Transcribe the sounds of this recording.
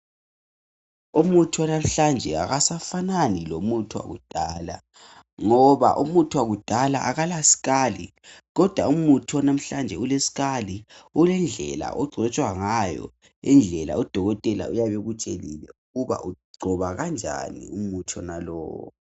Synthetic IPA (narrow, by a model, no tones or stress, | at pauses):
umutʰiwanam̩ɬand͡ʒʱɛa̰ɣasafananilomutʰuwa̰ɣṵd̥ʱaːla̰ | ŋɔβa̰ʔumutʰuwaɣud̥ʱala̰ʔaɣalasi̥ɣali | ɣɔd̥ʱwaumutʰwanam̩ɬand͡ʒʱɛulesi̥ɣaliulɛnd͡ɮʱɛla̰ʔɔɡ͡ǀʱɔt͡ʃʼwaŋajɔ̰ | ind͡ɮʱɛla̰ud̥ʱɔɣɔtʼɛla̰ujaβeɣut͡ʃʼelilɛuɣuβa̰ʔuɡ͡ǀʱɔβaɣand͡ʒʱa̰nḭumutʰɔnalɔ̰ːwɔ